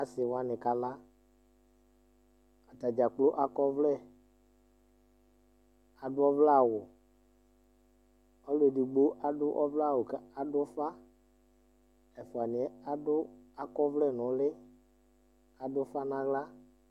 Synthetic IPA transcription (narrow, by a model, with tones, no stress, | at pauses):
a˨sɪ˨wa˨nɪ˨ka˨la˦ | a˨ta˨d͡ʒa˨k͡plo˦ʔa˦kɔ˦vlɛ˦˨ | a˨dʊ˦ɔ˦vla˦˨wʊ˨ | ɔ˦le˨dɪ˨ɡ͡bo˦a˨dʊ˦ʔɔ˦vla˦˨wʊ˨kɛ˨˦a˨dʊ˦fa˦ | ɛ˨fʊ˨a˨nɪ˨ɛ˦a˨dʊ˦a˦kɔ˦vlɛ˦˨nʊ̃˨˦lɪ˦ | a˨dʊ˦fa˦nã˦ɣla˦